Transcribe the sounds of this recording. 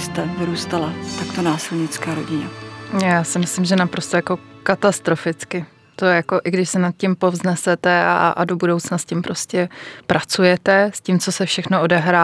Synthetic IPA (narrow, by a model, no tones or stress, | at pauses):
st̪ɛvɾuːst̪alat̪akt̪onaːsɪlɲɪt͡skaːɾoɟɪɲɛjaːsɪmɪslɪmʒɛnapɾo̞st̪ojako̞kat̪ast̪ɾo̞fɪt͡skɪ | t̪o̞jako̞ʔɪɡdɪʃsɛnat̪̚cɪmpo̞vznɛsɛt̪ɛa̰ʔa̰do̞budo̞wt͡snascɪmpɾo̞scɛpɾʔat͡sujɛt̪ɛscimt͡so̞sɛfʃɛxno̞o̞dɛɦɾaː